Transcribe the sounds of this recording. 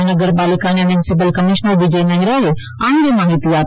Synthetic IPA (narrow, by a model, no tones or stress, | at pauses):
nɐɡəɾbaːlɪkãːnẽmjʊnɪsɪp̬əlkɐmɪʃnəɾbɪd͡ʒenɐɦĩɾɐɦe | ãːɳ̃d̪emaːɦit̪iaː